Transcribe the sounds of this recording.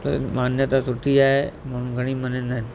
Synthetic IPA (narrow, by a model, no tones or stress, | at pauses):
t̪o̰manjət̪at̪uʈid͡ʒaemaɽ̤̃ũːɡʱəɽ̃ĩːmənennan